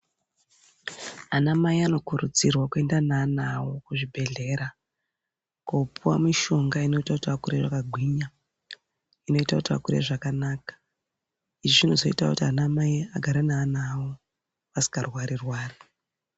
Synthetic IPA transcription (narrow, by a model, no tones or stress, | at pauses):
anamaiano̞kuɾud͡zirwakue̞ndananawo̞kuʐibʱe̞ɮe̞ɾa | kopuwa̰miʃo̞ŋɡaino̞itakutiakureʐakaɡʱwiːɲa | ino̞itakutia̰kuɾḛʐakanaːkḁ | iʐiʐin̤uzo̞ḭtakutianamaiaɡʱaɾanaːnawo | ʋasi̥karwaɾirwaːri